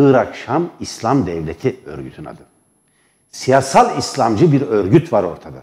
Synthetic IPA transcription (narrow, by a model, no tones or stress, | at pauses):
ɯːɾakʃamislʲˠamd̪ɛvlʲet̪ʰiø̰ɾɟyt̪ʰyna̰d̪ɯ | sijasalˠislʲˠamd͡ʒɯbiɾøɾɟyt̪vaɾo̞ɾt̪ʰad̪a